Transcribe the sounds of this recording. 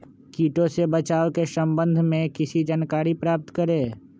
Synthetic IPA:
kiːʈõsebət͡ʃaːokesə̃mbə̃nd̪ʱmẽkɪsid͡ʒaːnkaːɾipɾaːp̚t̪kəɾẽː

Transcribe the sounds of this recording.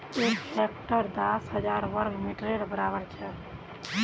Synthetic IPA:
eksek̚ʈəɾd̪asɦəd͡ʒaɾʋəɾɡmiʈɾeɽbəɾabəɾt͡ʃʰɛ

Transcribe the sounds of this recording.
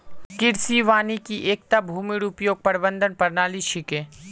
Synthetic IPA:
kɪɾsiʋaːnikiʔeːk̚t̪abʱuːmɪɽʊpjoːɡ̚pɐɾbə̃nd̪ʱənpɐɾnaːliʃɪkẽː

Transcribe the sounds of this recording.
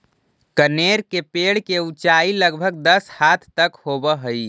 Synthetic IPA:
kəneɾkepeɽ̤keut͡ʃailəɡbʱəɡ̚d̪əshat̪ʰt̪əkhobəɦəj

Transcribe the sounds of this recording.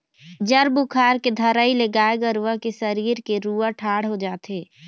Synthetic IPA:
d͡ʒɐɾbʊkʰaːɾked̪ʱɐɾaːileɡaːeɡəɾuakesɐɾiːɾkeɾuːaʈʰaːɽ̤ɦod͡ʒaːt̪eː

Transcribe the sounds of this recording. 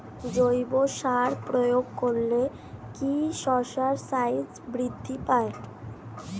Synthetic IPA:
d͡ʑojboʃaɾpɾojoɡ̚koɾle | kiʃɔɾʃaɾsajd͡ʑbɾid̪ʱːipaeʈ

